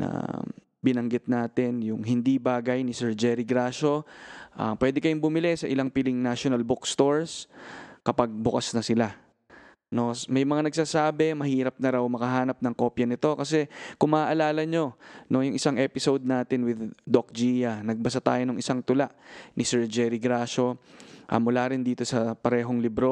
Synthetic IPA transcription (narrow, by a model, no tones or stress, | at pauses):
nɐ̰ | bɪnɐŋɡɪt̪̚naːt̪ɪnjʊŋɦɪnd̪ibaːɡɐjnɪsɛɹd͡ʒɛːɾɪɡɾaːʃo̞ʔa̰pwɛːd̪ɛkɐjoŋbʊmɪlɛsɐʔɪlaŋpɪlɪŋnaʃonɐlbʊkst̪oɹskɐpaɡ̚bʊkasnɐsɪla | no̞mɐjmɐŋanɐɡ̚saːsaːbɛmɐhiːɾɐp̚nɐɾawmɐkɐɦaːnɐp̚nɐŋko̞ːpjɐnɪt̪o̞kɐsɛkʊŋmɐaʔɐlaːlɐɲo̞nojʊŋʔɪsaŋʔɛːpɪsowd̪̚naːt̪ɪnwɪd̪d̪ok̚d͡ʒiːjɐnɐɡ̚bɐs̬at̪a̰ːjonoŋʔɪsaŋt̪ʊlaʔnɪsɛɹd͡ʒɛːɾiɡɾaːʃo̞ʔɐ̰mʊlaːɾɪnd̪iːt̪o̞sɐpɐɾɛːɦo̞ŋlɪbɾo